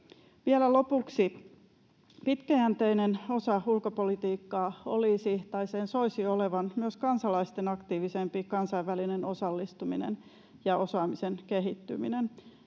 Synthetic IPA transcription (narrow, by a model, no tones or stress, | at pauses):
ʋielælo̞puksi | pit̪kæænt̪eineno̞sɑhulkopolit̪iːkːɑːoliːsiht̪ɑiseːnso̞isioleʋɑnmyøskɑnsɑlɑist̪enɑkt̪iːʋisempikɑnsɑiʋːælineno̞sɑlːist̪uminḛn | jɑo̞sɑːmisenkeɦit̪ːy̰mḭnen